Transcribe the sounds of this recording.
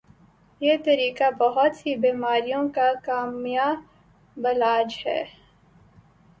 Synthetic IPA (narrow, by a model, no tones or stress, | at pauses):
jeːt̪ɐɾiːkabɐɦʊt̪hibiːmaːɾijõkakaːmja | bɐlaːd͡ʒhɛ̰ː